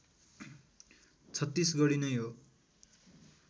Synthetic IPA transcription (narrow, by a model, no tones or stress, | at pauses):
t͡sʰʌt̪ːisɡʌɽinʌjɦo